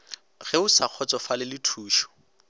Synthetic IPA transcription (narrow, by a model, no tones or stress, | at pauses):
ɣɛʊsaq͡χʰɔt͡sɔfalɪlɪtʰuːʃɔ̥